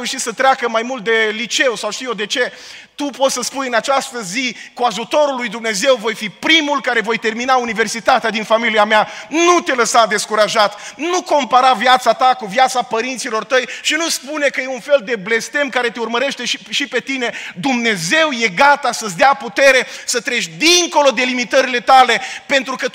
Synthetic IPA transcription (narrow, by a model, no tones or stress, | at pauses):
euʃit̪sət̪ɾeakəmajmult̪̚d̪e̞lit͡ʃe̞wsawʃt̪ijod̪e̞t͡ʃe̞t̪upo̞t̪səspunjɨnat͡ʃast̪əzikuaʒut̪o̞ɾulːujd̪umne̞ze̞wvo̞jfipɾimulkaɾe̞vo̞jt̪e̞rminaunive̞rsit̪at̪ead̪infamiliameanut̪e̞ləsad̪e̞skuɾaʒat̪nuko̞mpaɾavjat̪sat̪akuvjat̪sapəɾint̪silo̞rt̪əjʃinuspune̞kəjeunfe̞ld̪e̞ble̞st̪e̞mkaɾe̞t̪eurməɾe̞ʃt̪e̞ʃiʃipe̞t̪ine̞d̪umne̞ze̞wje̞ɡat̪asəs̬ʲd̪eaput̪e̞ɾe̞sət̪ɾe̞ʃʲd̪iŋko̞lo̞d̪e̞limit̪əɾile̞t̪ale̞pe̞nt̪ɾukə